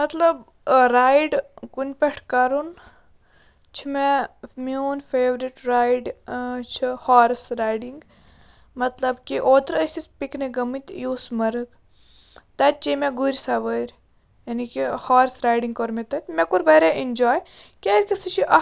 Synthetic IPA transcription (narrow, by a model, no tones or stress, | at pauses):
mɐt̪lɐb | ɾaːjɖkunʲpeʈʰkɐɾun | t͡ʃʰimemuːnfeːʋɾiʈɾaːjɖt͡ʃʰihaːɾsɾaːjɖiŋɡ | mɐt̪lɐbkiʔoːt̪ɾəsʲisʲpikneɡɐmit̪juːsmɐɾɨk | t̪ɐt̪̚ʲt͡ʃimeɡuɾʲsaʋəɾʲ | jɐnikihaːɾsɾaːjɖiŋɡkoɾmet̪ɐt̪ʲmɛkuɾʋeɾeʔind͡ʒɔːj | kʲezʲkʲisɨt͡ʃʰiʔɐ